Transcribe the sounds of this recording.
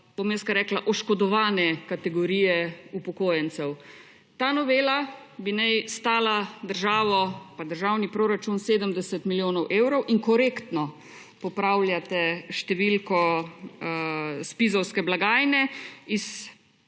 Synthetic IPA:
b̥omjɛskaɾɛːklaʔɔʃkɔd̪ɔʋaːnɛkat̪ɛɡɔɾiːjɛupɔkoːjɛnt̪sɛw | t̪aːnɔʋeːla | binɛjst̪aːlad̪əɾʒaːʋɔpad̪əɾʒaːwnipɾoɾat͡ʃunseːd̪əmd̪ɛsɛt̪miljoːnɔwʔeːwɾɔwʔiŋkɔɾeːkt̪nɔ | pɔpɾawljat̪ɛʃt̪ɛʋilkɔ | spizɔwskɛblaɡaːjnɛis

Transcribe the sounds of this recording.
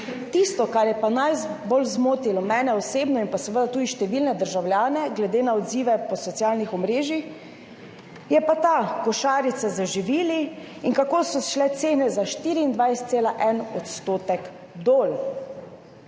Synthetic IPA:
t̪ist̪ɔkaɾjɛpanajbolzmoːt̪ilɔmɛːnɛɔseːbnɔinpasɛʋəd̪at̪uːd̪iʃt̪ɛʋilnɛd̪əɾʒawlʲjaːnɛɡlɛd̪eːnaɔd̪ziːʋɛpɔsɔt̪sjaːlnixɔmɾeːʒix | jɛpat̪akɔʃaːɾit̪sazaʒiʋiːli | iŋkakoːsɔʃlɛt̪seːnɛzaʃt̪iːɾiːnd̪ʋajst̪seːlaʔɛnɔt̪st̪oːt̪ɛk | d̪oːl

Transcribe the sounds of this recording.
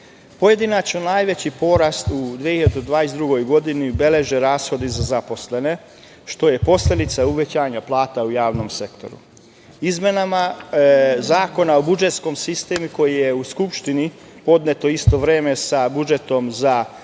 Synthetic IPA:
po̞je̞d̪inat͡ʃnonaːjʋe̞t͡ɕipo̞ɾast̪ud̪ʋiehiʎad̪d̪ʋaːesd̪ɾuɡo̞jɡo̞d̪iniube̞le̞ʒeɾaːsxo̞d̪izazapo̞sle̞ne̞ | ʃt̪o̞je̞po̞slʲe̞d̪it̪sauʋe̞t͡ɕaːɲaplˠaːt̪aujaːʋno̞mse̞kt̪o̞̰ɾṵ | izmje̞nama | zaːko̞nao̞bud͡ʒe̞t̪sko̞msist̪eːmuko̞jije̞uskupʃt̪ini | po̞d̪net̪o̞ist̪o̞ʋɾeːme̞sabud͡ʒe̞t̪o̞mza

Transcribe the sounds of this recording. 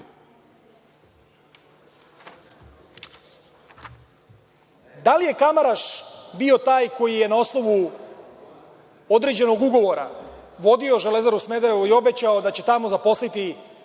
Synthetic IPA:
d̪alije̞kamaɾaʃbio̞t̪aːjko̞jije̞nao̞sno̞ʋu | o̞d̪ɾe̞d͡ʑe̞no̞ɡuɡo̞ʋo̞ɾa̰ʋo̞d̪io̞ʒele̞zaɾusme̞d̪aɾeuio̞bet͡ɕao̞d̪at͡ɕe̞t̪amo̞zapo̞slit̪i

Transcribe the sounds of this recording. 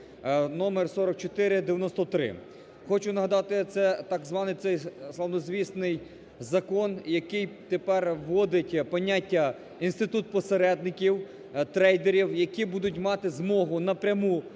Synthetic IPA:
nɔmersɔɾɐk̚t͡ʃɔt̪ɪɾɪd̪eʋʲjɐnɔst̪ɔt̪ɾɪ̰ | xɔt͡ʃʊnɐɦɐd̪ɑt̪ɪt̪sɛt̪ɑɡzʋɑnɪjt̪sɛjslˠɐwnɔzʋʲist̪nɪj | zɐkɔnjɐkɪjt̪epɛrʋːɔd̪ɪtʲpɔnʲːatʲːɐ | inst̪ɪt̪ut̪̚pɔseɾɛd̪̚nɪkʲiw | t̪ɾɛjd̪eɾʲiwjɐkʲibud̪ʊtʲmɑt̪ɪzmɔɦʊnɐpɾʲɐmu

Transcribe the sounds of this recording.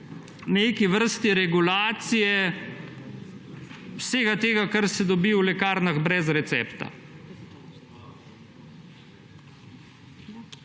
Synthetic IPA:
neːkiʋəɾst̪iɾɛɡulaːt̪sijɛ | wseːɡat̪eːɡakaɾsɛd̪ɔbiwlɛkaːɾnaɣbɾɛzɾɛt̪sɛpt̪a̰

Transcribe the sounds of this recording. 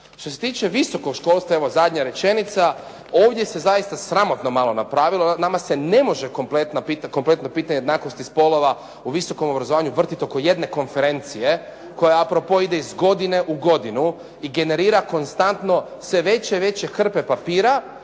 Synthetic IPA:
ʃt̪o̞se̞̥t̪iːt͡ʃe̞ʋiso̞ko̞ɡʃko̞ːlˠst̪ʋae̞ʋo̞zad̪ʲɲaɾe̞t͡ʃe̞nit̪sa | oːʋd̪je̞se̞zajist̪asɾamo̞t̪nomalo̞napɾaːʋilˠonamasene̞mo̞ʒeko̞mplet̪napit̪ko̞mple̞t̪nopiːt̪aɲeed̪naːkost̪ispo̞lo̞ʋa | uʋiso̞ko̞mo̞bɾazoaːɲuʋr̩t̪it̪o̞koje̞d̪ne̞ko̞nfe̞ɾe̞nt̪sije̞ | ko̞jaapɾopoid̪eizɡo̞d̪ine̞ʔuɡo̞d̪inu | iɡe̞ne̞ɾiːɾako̞nst̪ant̪no̞ | sʋe̞ʋe̞t͡ɕeʋe̞t͡ɕe̞kr̩pe̞papiːɾa

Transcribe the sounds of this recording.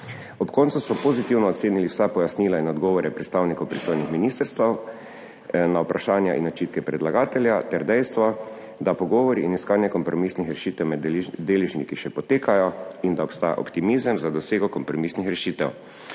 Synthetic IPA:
ɔpkɔːnt̪susɔpozit̪iwnɔːt̪seːniliwsapɔjasniːlainɔd̪ɡɔːʋɔɾɛpɾɛt̪st̪aːwnikowpɾist̪ojnixminiːst̪əɾst̪aw | nawpɾaʃaːnja̰ʔḭnɔt͡ʃiːt̪kɛpɾɛd̪laɡaːt̪ɛljat̪ɛɾd̪ɛjst̪ʋɔ | d̪apɔɡɔːʋɔɾiʔːniskaːnjɛkɔmpɾɔmisnixɾɛʃiːt̪ɛwmɛd̪dːeːlɛʒnikiʃɛpɔt̪eːkajɔind̪aɔpst̪aːja̰ʔɔ̰pt̪imizəmzad̪ɔseːɡɔkɔmpɾɔmisnixɾɛʃiːt̪ɛw

